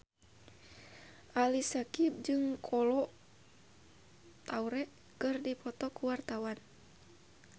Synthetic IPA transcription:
ʔalisakib̚d͡ʒɨŋkʰɔlɔ | t̪auɾɛʔ | kɨrdipɔt̪ɔkuwart̪awan

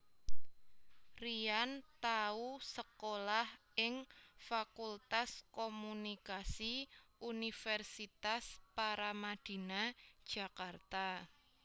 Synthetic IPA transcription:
riant̪ausəkolahʔɪŋfakult̪askomunikasiunifɛrsit̪aspaɾamad̪̥i̤nad̥ʒ̥a̤kart̪a

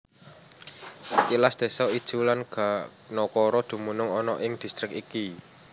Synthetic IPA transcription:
kilasd̪̥e̤sɔid̥ʒ̥ṳlanɡ̥a | nɔkɔɾɔd̪̥ṳmunʊŋɔnɔʔɪŋd̪̥i̤st̪ɾɪkiki

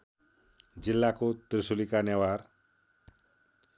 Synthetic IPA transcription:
d͡ʒilːakot̪ɾisulikanɛwaɾ

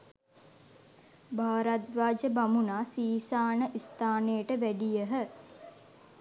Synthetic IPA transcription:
baːɾat̪ʋaːd͡ʒəbamunaːsiːsaːnəʔist̪ʰaːnejəʈəʋæɖijəɦə

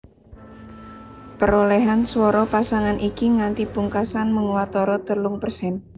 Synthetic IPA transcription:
pəɾoleɦanswɔɾɔpasaŋanʔikiŋant̪ibuŋkasanməŋwat̪ɔɾɔt̪əluŋpərsɛn

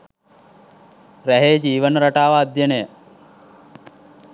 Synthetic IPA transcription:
ɾæɦeːd͡ʒiːʋənəɾaʈaːʋaːd̪jənəjə

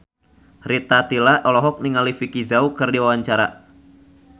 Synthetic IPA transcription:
ɾit̪at̪ilaʔɔlɔɦɔk̚niŋalifikizaukɨrdiwawaɲt͡ʃaɾa̰

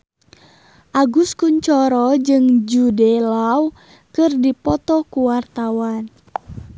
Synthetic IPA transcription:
ʔaɡuskuɲt͡ʃɔɾɔd͡ʒɨŋd͡ʒudɛlaw | kɨrdipɔt̪ɔkuwart̪awan

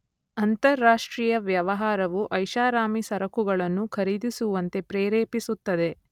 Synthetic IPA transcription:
ɐnt̪ɐɾːaːʂʈɾiːjɐʋjɐʋɐɦaːɾɐʋuʔɐjʃaːɾaːmisɐɾɐkuɡɐɭɐnːukʰɐɾid̪isuʋɐnt̪e̞pɾɛːɾeːpisut̪ːɐd̪e̞

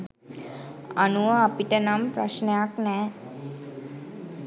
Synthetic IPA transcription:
anuʋəapiʈənampɾaʃnejaknɛː

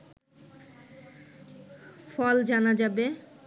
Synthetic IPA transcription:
fɔld͡ʑanad͡ʑabe

